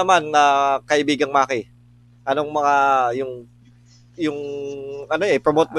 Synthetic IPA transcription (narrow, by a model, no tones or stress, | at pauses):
ɐmanːɐkɐʔɪbiːɡɐŋmakɪ | ʔɐno̞ŋmɐŋajʊŋ | jʊŋʔɐnoʔɛpɾomot̪̚mo